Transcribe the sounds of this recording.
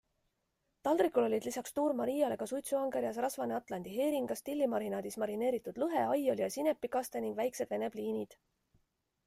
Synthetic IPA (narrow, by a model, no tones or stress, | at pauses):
t̪ɑld̪̥ɾikːˑulo̞lʲid̪lisɑkst̪uːɾmɑɾijɑle̞ɡ̥ɑsujt̪suɑŋɡeɾiɑsrɑsvɑneɑt̪ˑlɑnd̪̥iɦe̞ːɾiŋɡ̥ɑst̪ilːimɑɾinɑd̪ismɑɾine̞ːɾit̪ːˑud̪̥lɤɦe̞ɑjo̞lʲiɑsine̞pˑːikɑst̪eniŋɡ̥væjkse̞d̪̥ve̞ne̞b̥liːnid̪̥